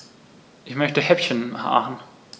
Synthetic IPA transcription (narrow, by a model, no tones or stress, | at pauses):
ʔɪçmœçtəhɛpçənha̰ːʁn̩